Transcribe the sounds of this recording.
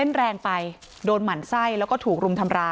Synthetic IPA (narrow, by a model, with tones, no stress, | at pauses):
e˥˩nɾɛː˧ŋpa˧j | doː˧nma˩˦nsa˥˩jlɛː˦˥wkɔː˥˩t̪ʰuː˨˩k̚ɾu˧mt̪ʰa˧mɾaː˧